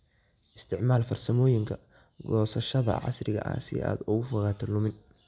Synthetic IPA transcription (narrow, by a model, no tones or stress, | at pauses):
ʔɪst̪ʰɪʕmaːlfɐrsɐmɔːjɪŋkʰɐ | ɡɔːsɐʃɐðɐ̰ʕɑ̰srɪɣɐ̰ʔa̰ːsɪ̰a̰ːd̪ʊɣʊfɐɣaːt̪ʰɐlʊmɪn